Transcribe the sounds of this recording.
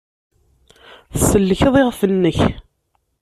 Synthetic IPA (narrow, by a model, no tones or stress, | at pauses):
θsəlːəçəðˤɪʁfənːəç